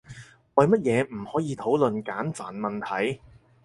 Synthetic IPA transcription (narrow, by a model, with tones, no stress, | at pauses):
wɐ˨jmɐ˥t̚jɛː˨˧m̩˨˩hɔː˨˥jiː˨˧t̪ʰo˨˥wlɵ˨nkaː˨˥nfaː˨˩nmɐ˨nt̪ʰɐ˨˥j